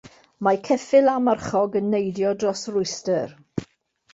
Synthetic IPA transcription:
makʰɛfɪlˠamarχɔɡənːejdjɔdrɔsrʊjstər

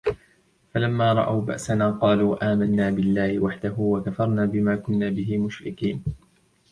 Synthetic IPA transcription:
falamːaːɾˤɑ̰ʔawba̰ʔsanaːqɑːluːʔaːmanːaːbɪlːaːhɪwaħd̪aɦuːwakafɑɾˤnaːbɪmaːkʊnːaːbɪɦɪmʊʃɾɪkiːn

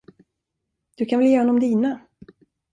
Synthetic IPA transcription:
d̪̥ɵkʰanvɛljeːhɔnɔmd̪iːna

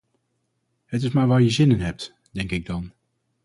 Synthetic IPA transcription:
ɦət̬ɪsmaːɹʋaːɹjəzɪnənɦɛp̚t | d̥ɛŋkɪɡ̚dɑn

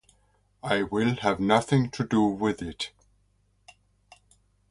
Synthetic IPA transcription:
aɪwɪlˠəvnʌθɪ̃ŋtʰɨdəwɪðɪt

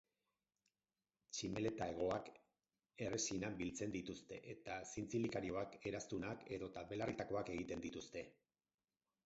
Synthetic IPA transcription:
t͡ʃime̞le̞t̪ae̞ɣ̞o̞ak | e̞re̞sinambilt͡se̞nd̪it̪ust̪e̞ʔet̪asint͡silikaɾio̞ake̞ɾast̪unake̞ðo̞t̪ape̞larit̪ako̞ake̞ɣ̞it̪e̞nd̪it̪ust̪e̞

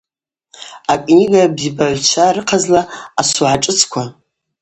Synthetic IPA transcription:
akʷʼniɡabzibaʕʷt͡ʃʷʰaɾɨqʰazlaasuʕaʈ͡ʂʼɨt͡sʰkʷʰa

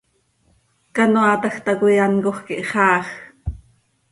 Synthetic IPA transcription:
kɑnoat̪ɑxt̪ɑkujɑnkoχkiʔχɑːχ

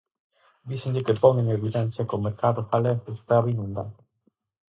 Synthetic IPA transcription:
d̪iseɲʎekepɔŋeŋeβilant͡ʃekomeɾkaðʊfaleθest̪aβinũnd̪a̰ð

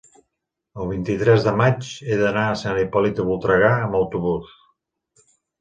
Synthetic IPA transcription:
əlˠβ̞int̪it̪ɾɛzðəmat͡ʃeðənaəsənipɔlit̪əβulˠt̪ɾəɣaəməwt̪uβus

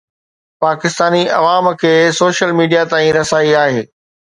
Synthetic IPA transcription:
paːkɪst̪aːniɐ̰ʋaːmkʰeːsoːʃəlmiːɖijat̪aːĩɾɐsaːiaːɦeː

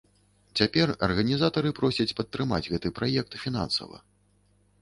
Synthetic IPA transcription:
t͡sʲapʲɛrɐ̰rɣɐnʲizat̪ɐɾɨpɾɔsʲɐt͡sʲpɐt̪ːɾɨma̰d͡zʲɣɛt̪ɨpɾajɛk̚t̪fʲina̰nsɐ̰vɐ̰

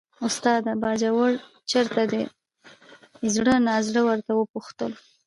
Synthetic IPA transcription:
ʊst̪ɑd̪abɑd͡ʒawəɽ | t͡ʃəɾt̪ad̪ə | zɽənɑzɽəwəɾt̪awəpuxt̪əl

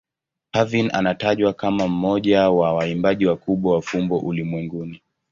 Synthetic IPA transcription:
havina̰nataʄwakamam̩mɔʄawawaimbaʄiwakuɓwawafumbɔʔulimwɛŋɡuni

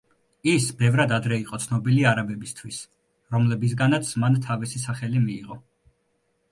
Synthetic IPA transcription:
isbɛvɾad̪ad̪ɾɛiqʼɔt̪sʰnɔbiliaɾabɛbist̪ʰwis | ɾɔmlɛbis̬ɡanat̪sʰmant̪ʰavisisaχɛlimiːʁɔ

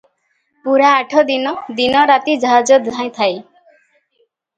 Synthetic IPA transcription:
puɾaːʈʰɔd̪inɔd̪inɔɾat̪id͡ʒɔɦad͡ʒɔd̪ʱãj̃t̪ʰaj

